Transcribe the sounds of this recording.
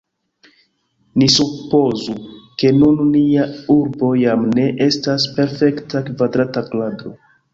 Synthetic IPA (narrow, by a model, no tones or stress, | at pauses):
nisupo̞zuke̞nunniauɾbo̞jamne̞ʔe̞staspe̞ɾfe̞ktakvadɾatakladɾo̞